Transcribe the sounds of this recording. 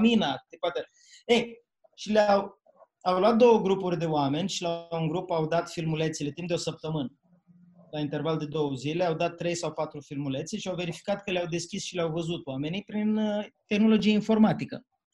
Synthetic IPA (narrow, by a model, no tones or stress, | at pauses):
minaepat̪e | ej | ʃileaw | awlwat̪̚d̪o̞wəɡɾupurʲd̪e̞oame̞nʲʃilauŋɡɾupawd̪at̪filmulet̪sile̞t̪imp̚d̪eo̞səp̚t̪əmɨnə | laint̪e̞rvald̪e̞d̪o̞wəzile̞awd̪at̪ːɾe̞jsawpat̪ɾufilmulet̪siʃiawve̞ɾifi̥kat̪kəleawd̪e̞skʲisʃileawvəzut̪oame̞nijpɾint̪e̞xno̞lo̞d͡ʒieinfo̞rmat̪ikə̰